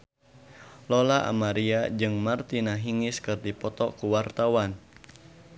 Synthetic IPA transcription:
lɔlaʔa̰maɾiad͡ʒɨŋmart̪inaɦiŋɪskɨrdipɔt̪ɔkuwart̪awan

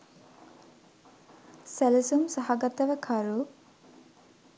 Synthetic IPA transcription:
sælɐsumsɐɦɐɡɐt̪ɐʋɐkʰɐɾu

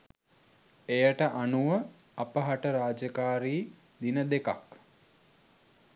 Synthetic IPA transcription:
ejəʈəʔanuʋə | apəɦaʈəɾaːd͡ʒəkaːɾiː | d̪inəd̪eka̰k

